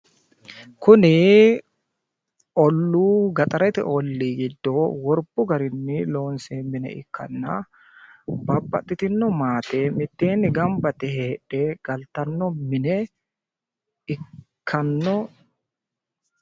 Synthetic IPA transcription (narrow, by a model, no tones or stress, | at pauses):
kʊnɪ | ɔlːuːɡɐt̪ʼɐɾɛt̪ɪ̰ʔɔlːiːɡɪd̪ːowɔɾb̥ʊɡɐɾɪnːɪlo̞ːnseːmɪnɛ̰ɪ̰kʰːɐ̰nːɐ̰ | bɐbːɐ̰t̪ʼːɪt̪ɪnːɔmaːt̪eːmɪt̪ːeːnːɪɡɐmbɐt̪ɛheːᶑɛɡ̥ɐlt̪ɐnːɔmɪnɛ | ɪkʰːɐnːɔ